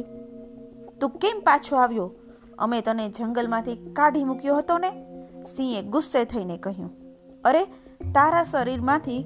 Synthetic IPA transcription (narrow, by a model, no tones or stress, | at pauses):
t̪ũkempat͡ʃʰoaʋjo | ə̰met̪əned͡ʒəŋɡəlmãt̪ʰikaɖʱimukjoɦət̪onesĩeɡʊsːet̪ʰəinekəɦjṵ̃ | əɾe | t̪aɾasəɾiɾmãt̪ʰi